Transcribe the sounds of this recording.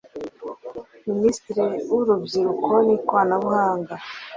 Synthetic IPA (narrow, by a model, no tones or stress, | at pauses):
ministɾeuɾubjiɾukonikwaːnaβuhaːŋɡa